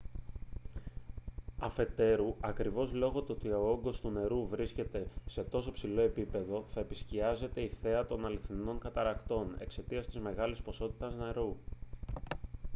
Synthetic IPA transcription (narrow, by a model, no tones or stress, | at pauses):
ɐfe̞t̪e̞ɾuɐkɾivo̞zlo̞ɣo̞t̪oot̪io̞o̞ŋɡo̞st̪une̞ɾuvɾisce̞t̪e̞se̞t̪o̞so̞psilo̞e̞pipe̞ðo̞θɐe̞pisciɐze̞t̪e̞iθe̞ɐt̪o̞nɐliθino̞ŋkɐt̪ɐɾɐkt̪o̞ne̞̰kse̞t̪iɐst̪izme̞ɣɐlispo̞so̞t̪i̥t̪ɐzneɾu